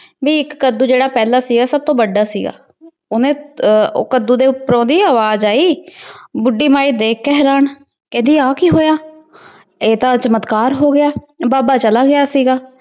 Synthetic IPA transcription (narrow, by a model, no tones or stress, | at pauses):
ʋiːɪkːəd̪uːd͡ʒeːɽaːpɛːlaːsiːɡaːsəb̚t̪õːbəɖːaːsḭːɡa̰ː | ʊnḛ̃ːkəd̪uːd̪eːʊpːəɾõːd̪iːaːʋaːzaːiːbʊɖːiːmaːiːd̪eːkʰːɛɦɾaːn | kɛ̃ːnd̪iːaːkiɦoːjaː | eːt̪ãːt͡ʃəmət̪kaːɾɦoːɡɪjaː | baːbaːt͡ʃəlaːɡɪjaːsiːɡaː